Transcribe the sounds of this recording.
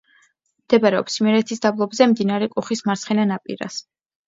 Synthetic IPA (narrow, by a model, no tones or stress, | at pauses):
md̪̥ɛbaɾɛɔ̰psimɛɾɛt̪ʰisd̪ablˠɔbzɛmd̪inaɾɛkʼuχismaɾt̪sχɛnanapʼḭɾa̰s